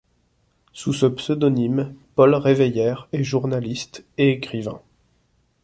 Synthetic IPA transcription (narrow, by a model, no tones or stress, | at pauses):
susəpsød̪ɔnimpɔlʁevejɛʁeʒuʁnalist̪eekχivɛ̰̃